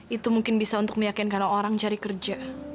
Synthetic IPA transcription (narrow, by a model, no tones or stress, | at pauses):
it̪umuŋkɪnbisaunt̪ʊk̚məjakɪnkanaoɾaŋt͡ʃaɾikərd͡ʒa